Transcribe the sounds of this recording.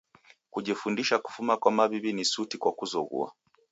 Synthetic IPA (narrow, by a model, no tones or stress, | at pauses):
kuʄifundiʃaku̥fumakwamaβiβinisutikwakuzɔɣṵa̰